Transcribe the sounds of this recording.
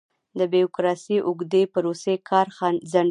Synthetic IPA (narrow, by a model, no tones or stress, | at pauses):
d̪əbiokɾɑsiʔʊɡd̪epaɾosekʰɑɾxɑnzaɳ